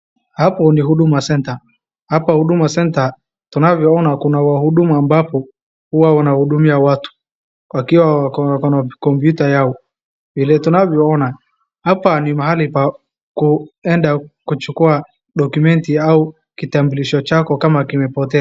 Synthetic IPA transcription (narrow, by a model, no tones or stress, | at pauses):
hapɔnihuɗumasɛnta | hapahuɗumasɛnta | tunavjɔɔnakunawahuɗumuambapɔ | huwawanahuɗumiawatu̥ | kwakiwakkɔnakɔmpjutajaɔ | vilɛtunavjɔɔna | hapanimaɦalipa | kuɛndakut͡ʃukua | ɗɔkumɛntiau | kitambuliʃɔt͡ʃakɔkamakimɛpɔtɛa